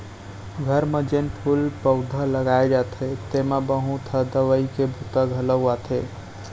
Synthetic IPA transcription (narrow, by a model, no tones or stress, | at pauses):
ɡʱəɾmed͡ʒenpʰulpəwd̪ʱələɡaed͡ʒat̪ʰet̪emebəɦũt̪ʰəd̪əʋəikebʱut̪əɡʱələwat̪ʰe